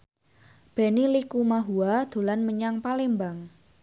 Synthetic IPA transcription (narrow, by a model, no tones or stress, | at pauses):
b̥e̤nilikumaɦuad̪̥o̤lanməɲaŋpalembaŋ